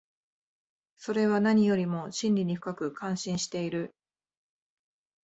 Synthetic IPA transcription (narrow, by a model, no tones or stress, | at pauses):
so̞ɾe̞βanaɲ̟ijo̞ɾʲimo̞ɕĩnʲɾʲiɲ̟iɸɯ̟kakɯ̟kʰãɰ̃ɕĩɰ̃ɕi̥t̪e̞iɾɯ̟